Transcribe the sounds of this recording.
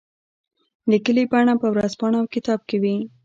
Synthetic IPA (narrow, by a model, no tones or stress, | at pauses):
likəlipəaɽapəwɾazpɑɳawkɪt̪ɑb̚kawi